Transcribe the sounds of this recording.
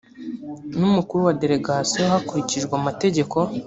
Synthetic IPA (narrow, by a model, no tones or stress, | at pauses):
numukuɾuwade̞ɾe̞ɡasijohakuɾiciʒɡwamate̞ɟe̞ko̞